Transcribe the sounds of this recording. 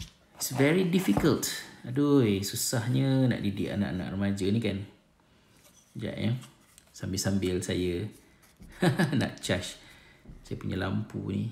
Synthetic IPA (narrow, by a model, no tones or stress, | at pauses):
isvɛɹidifikəltadojsusahɲəna̰ʔdidiʔa̰na̰ʔana̰ʔrəmad͡ʒənikan | d͡ʒa̰ʔjə | sambɪlsambɪlsajə | na̰ʔt͡ʃaʃ | sajəpuɲəla̰mpṵnḭ